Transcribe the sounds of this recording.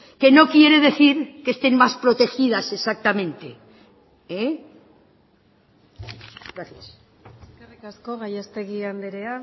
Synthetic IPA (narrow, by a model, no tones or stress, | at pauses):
ke̞no̞kje̞ɾe̞ð̞e̞θiɾkest̪e̞nmaspɾo̞t̪e̞xiðase̞sak̚t̪amẽ̞nt̪e̞ | e | ɡɾaθjas | karikaskoɣajast̪eɣiand̪eɾea